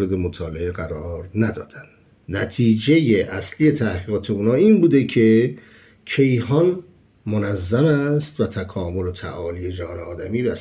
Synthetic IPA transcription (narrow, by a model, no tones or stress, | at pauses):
ɾe̞d̪e̞mot̪ʰɒːle̞eɣæɾɒːɾnæd̪ɒ̰ːd̪ænd̪̥ | næt̪ʰiːd͡ʒe̞jeʔæslije̞t̪ʰæhɡiːʁɒːt̪ʰe̞uːnɒːiːnbuːd̪e̞cʰe̞ | cʰe̞jhɒːn | monæzːæmæst̪væt̪ʰækʰɒːmo̞lot̪ʰæ̰ʔɒːlije̞d͡ʒæhɒːneɒːd̪æmiːɾæ